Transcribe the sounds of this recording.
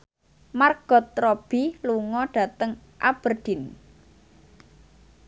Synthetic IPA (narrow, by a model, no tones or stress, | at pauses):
marɡ̥ɔ̤t̪ɾɔb̥iluŋɔɖ̥a̤t̪əŋ | ʔab̥ərd̥i̤n